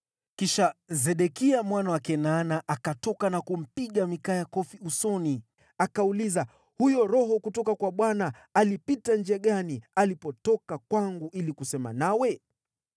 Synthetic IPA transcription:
kiʃazɛɗɛkiamwanawakɛnanaʔakatɔkanakum̩piɠamikajakɔfiusɔni | akauliza | hujɔɾɔɦɔkutɔkakwaɓwanaː | lipitand͡ʒɛaɠanialipɔtɔkakwaŋɡuʔilikusɛma̰nawɛ

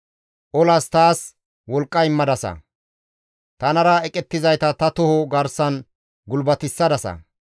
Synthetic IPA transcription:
ʔɔlɐst̪aːs | wɔlkʼːɐjɪmːɐd̪ɐsɐ̰ | t̪ɐnɐɾɐɛkʼɛt̪ːɪzɐjt̪ɐt̪ɐt̪ʊhɔɡɐɾsɐn | ɡʊlbɐt̪ɪsːɐd̪ɐsɐ̰

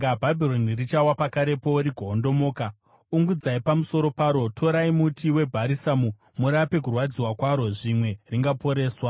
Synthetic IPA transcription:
ɡabʱabʱilonirit͡ʃawapakaɾe̞po̞ɾiɡʱoːndo̞moːka | uŋɡud͡zaipamuso̞ɾo̞paːɾo̞tʰo̞ɾaimutʰiwe̞bʱaɾisamu | muɾape̞k̬urwad͡ziwakwaɾo̞ʐimwe̞riŋɡapo̞ɾe̞ːswa

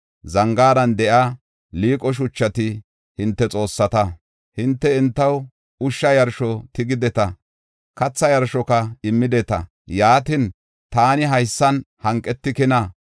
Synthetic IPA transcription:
zɐŋɡaːd̪ɐnd̪ɛʔɐ | liːkʼɔʃ̬ʊt͡ʃːɐt̪ɪ | hɪnt̪ːɛt͡sʼo̞ːsːɐt̪ɐ | hɪnt̪ːɛɪnt̪ːɐw | ʊʃːɐjɐɾʃɔt̪ɪɡɪd̪ɛt̪ɐ | kɐt͡sːɐjɐɾʃɔkɐɪmːɪd̪ɛt̪ɐ̰ | jaːt̪ɪn | t̪aːnɪɦɐjsːɐnhɐŋkʼːɛt̪ːɪkɪnɐ

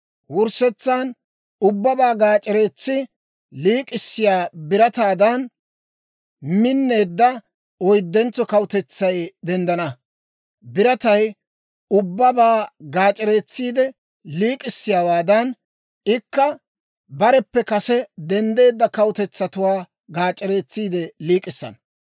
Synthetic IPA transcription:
wʊɾsɛt͡sːan | ʊbːɐbaːɡaːt͡ʃʼːɪɾe̞ːt͡sːɪ | liːkʼɪsːɪjaːbɪɾɐt̪aːd̪ɐn | mɪnːe̞ːd̪ːɐ | ɔjd̪ːɛnt͡sːɔkɐwʊt̪ɛt͡sːɐjd̪ɛnd̪ɐnɐ | bɪɾɐt̪ɐj | ʊbːɐbaːɡaːt͡ʃʼɪɾe̞ːt͡sːiːd̪ɛ | liːkʼɪsːɪjaːwaːd̪ɐn | ɪkːɐ | bɐɾɛpːɛkɐsɛd̪ɛnd̪e̞ːd̪ːɐkɐwʊt̪ɛt͡sːɐt̪ʊwaː | ɡaːt͡ʃʼːɪɾe̞ːt͡sːiːd̪ɛliːkʼɪsːɐ̰n

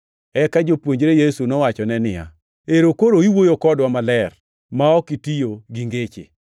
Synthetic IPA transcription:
ɛkad͡ʒopwoɲd͡ʒɾejesunɔwat͡ʃɔnɛnɪja̰ | eɾokoɾoiwojokɔdwamalɛr | maɔkitijoɡiŋɡet͡ʃḛ

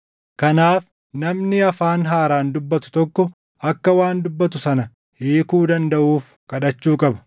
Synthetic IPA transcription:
kɐnaːf | nɐmnɪɐfaːnɦaːɾaːnd̪ʊbːɐt̪ʊ̥t̪ɔkːɔ | ɐkːɐwaːnd̪ʊbːɐt̪ʊsɐnɐ | hiːkuːd̪ɐnd̪ɐʔuːf | kɐᶑɐt͡ʃːuːkʼɐbɐ̥

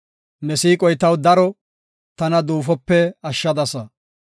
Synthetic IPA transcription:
nɛsiːkʼɔjt̪ɐwd̪ɐɾɔ | t̪ɐnɐd̪uːfɔpːɛɐʃːɐd̪ɐsɐ

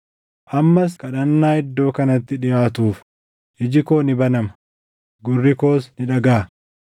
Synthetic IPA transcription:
ʔɐmːɐs̬kɐᶑɐnːaːɪd̪ːo̞ːkɐnɐt̪ːɪᶑɪjaːt̪uːf | ʔɪd͡ʒɪkoːnɪbɐnɐmɐ | ɡʊrːɪko̞ːsnɪᶑɐɡaː

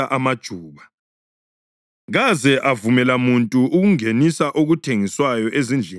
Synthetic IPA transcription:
aʔamad̥ʒ̥ʱuːβa | ɣazɛʔavumɛlamuntʼuʔuɣuŋenisaʔoɣutʰeŋiswajɔʔezind͡ɮʱɛ

